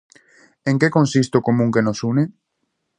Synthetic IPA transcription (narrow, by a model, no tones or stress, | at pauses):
eŋkekonsist̪okomuŋkenosune